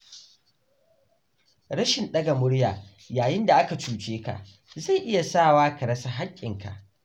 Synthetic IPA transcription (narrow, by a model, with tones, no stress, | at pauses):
ɽɐ˦ʃɪ˨nɗɐ˦ɡa˨mʊ˦ɽjaː˨ | jaː˨jɪ˦nda˨ʔa˦ka˨t͡ʃuː˨t͡ʃeː˦ka̰˨ʔ | za˦˨ʔɪ˦ja˨saː˦˨waː˦kɐ˨ɾɐ˦sa˦ɦa˦kʲʼːɪ˨ŋka̰˨ʔ